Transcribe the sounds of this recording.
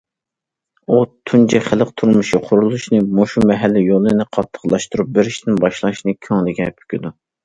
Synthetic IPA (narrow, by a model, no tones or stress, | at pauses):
ut̪ʰunt͡ʃʰɛχəlˠəqt̪ʰuɾmuʃiqʰʊɾulˠuʃnɨmoʃumɛɦɛlːɪjolˠɨnɨqʰɑt̪ʰːə̥qlˠɑʃt̪uɾup̚bɪɾɪʃt̪ɪnbɑʃlˠɑʃnɨkʲʰøŋlɪɡʲɛpʰy̥kʲid̪u